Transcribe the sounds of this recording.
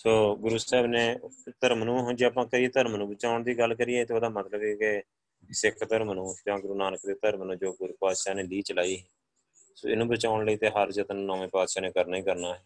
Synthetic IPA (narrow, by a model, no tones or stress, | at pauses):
soːɡʊɾuːsɛːbneːt̪əɾmənũːɦd͡ʒeaːpãːkəɾieːt̪əɾmnũːbət͡ʃaːʊɳd̪iːɡəlkəɾiːeːt̪eːoːd̪aːmət̪ləbeːke | sɪkʰt̪əɾmənũːd͡ʒãːɡʊɾuːnaːnəkd̪eːt̪əɾmənũːd͡ʒoːɡʊɾuːpaːt̪ʃaːneːliːt͡ʃəlaːiːɦɛː | so̰ːɪnũːbət͡ʃaːʊɳləiːt̪eːɦəɾd͡ʒət̪nnɔ̃ːẽːpaːt̪ʃaːnẽːkəɾnaːĩːkəɾnaːɦɛː